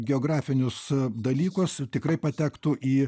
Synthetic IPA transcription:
ɡʲɛoːɡɾɑːfʲɪnʲʊsd̪ɐlʲiːkʊst̪ʲɪkɾɐɪpɐt̪ʲæːkt̪uːʔiː

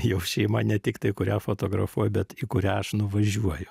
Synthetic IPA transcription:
jɛʊʃʲɛɪmɐnʲɛt̪ʲɪkt̪ɐɪkʊɾʲæfot̪oːɡɾɐ̰fuɔjʊbʲɛt̪ikʊɾʲæɐʃnʊʋɐʒʲuɔjʊ

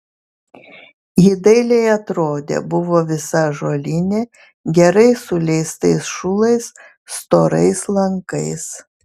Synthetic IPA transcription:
jɪd̪ɐɪlʲeɪɐt̪ɾoːd̪ʲḛbʊʋoːʋʲɪsɐʒoːlʲɪnʲeː | ɡʲɛɾɐɪsʊlʲɛɪst̪ɐɪsʃʊlˠɐɪs | st̪oːɾɐɪslˠɐŋkɐɪs

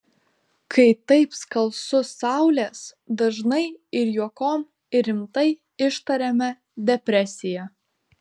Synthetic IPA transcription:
kʰɐɪt̪ɐɪpskɐlˠsʊsɑˑʊlʲeːsd̪ɐʒnɐɪɪɾjuɔkoːm | ɪɾʲɪmt̪ɐɪ | ɪʃt̪ɐɾʲɛmʲɛ | d̪ʲɛpʲɾʲɛsʲɪjɛ

